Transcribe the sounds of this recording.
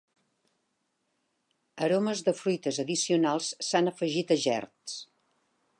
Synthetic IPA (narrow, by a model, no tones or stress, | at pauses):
əɾoməzðəfɾujt̪əzəðisiunalˠsːanəfəʒit̪əʒɛ̰rt̪s